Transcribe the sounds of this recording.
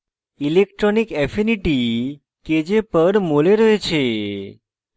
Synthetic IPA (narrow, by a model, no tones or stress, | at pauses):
ilekʈɾonikɛfiniʈi | ked͡ʒepəɾmoleɾəɦet͡ʃʰe